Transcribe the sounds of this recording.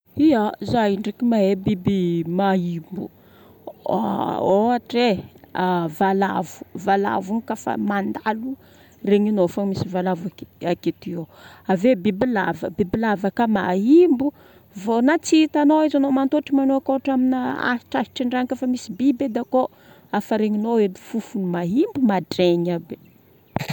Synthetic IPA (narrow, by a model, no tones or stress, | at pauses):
iazajɳɖ͡ʐikimaɦebibimaimbṵ | oaʈ͡ʂeavala̰vu̥vala̰vuŋkafa̰mand̪alu | reɲinofamisivalavakaket̪ioavebibilavə̰bibilavəkamaɦimbu | vonat͡sit̪anoizanomant̪oʈ͡ʂimanoakoaʈ͡ʂaminaa̰i̥ʈ͡ʂahi̥ʈ͡ʂiɳɖ͡ʐaŋkafamisibibed̪ako | afəɾeɲinoenifufunimaɦimbumaɖ͡ʐeɲabe